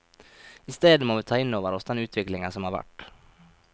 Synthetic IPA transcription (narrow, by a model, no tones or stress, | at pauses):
ɪst̪eːd̪əmoːʋɪt̪ʰɑːɪnːoːʋəɾɔsɛnʉːt̪ʰʋɪklɪŋasɔmhɑɾʋæ̰ʈː